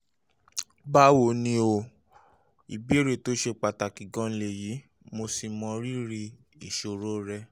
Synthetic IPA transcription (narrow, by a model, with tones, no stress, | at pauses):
ba˦wo˨nĩ˧˦o˧ | i˨bi˨˦ɾe˦˨to˦ʃe˧k͡pa˨ta˨ki˨ɡɔ̃˨˧˦n̩˧le˨ji˨˦ | mo˧si˨mɔ̃˧ɾi˦ɾi˧ | i˨ʃo˨ɾo˦ɾɛ˧